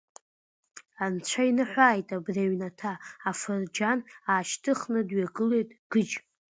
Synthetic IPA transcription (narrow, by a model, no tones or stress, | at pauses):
ant͡ɕʷʰainɨħʷaːjtʼabraɥnatʰaːfɨrd͡ʒanaːʃtʰɨχnɨdɥaɡɨle̞jtʼɡ̥ɨd͡ʒ